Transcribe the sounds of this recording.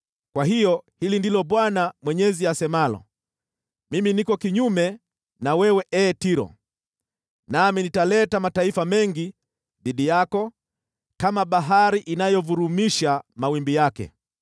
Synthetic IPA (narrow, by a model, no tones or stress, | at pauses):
kwaɦijɔhilindilɔɓwanamwɛɲɛziasɛmalɔ̰ | miminikɔkiɲumɛ | nawɛwɛʔɛːtiɾɔ̰ | naminitalɛtamataifamɛŋɡi | ðiɗijakɔ | kamaɓaɦaɾiʔinajɔvuɾumiʃamawimbijakɛ̰